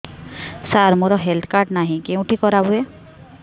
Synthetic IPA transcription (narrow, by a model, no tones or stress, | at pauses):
saɾmoɾɔɦelt̪ʰkaɾɖnaɦĩkeũʈʰikɔɾabue